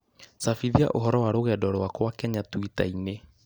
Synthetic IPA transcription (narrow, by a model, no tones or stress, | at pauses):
safiðia̰ʔoɦɔɾɔwaɾoɣɛdɔɾwakwakɛɲatwita̰ine